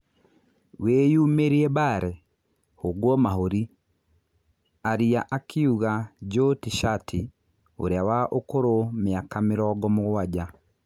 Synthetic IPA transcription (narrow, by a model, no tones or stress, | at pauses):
wejumeɾiebaɾɛ | hoɡwɔmaɦoɾi | aɾiaʔakʰiuɣaɟotiʃatʰi | o̰ɾeawaʔokoɾomjakamɪɾɔɡɔmoɣwaɟa